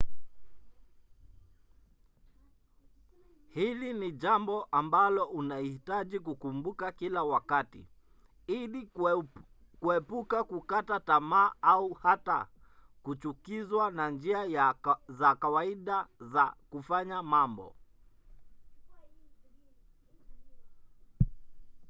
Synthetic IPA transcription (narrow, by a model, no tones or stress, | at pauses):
hiliniʄambɔʔambalɔʔunaihitaʄikukumbukakilawakatḭ | ili | kuɛpukakukatatamaːauhata̰kut͡ʃukizwanand͡ʒiajazakawaiɗazakufaɲamambɔ̰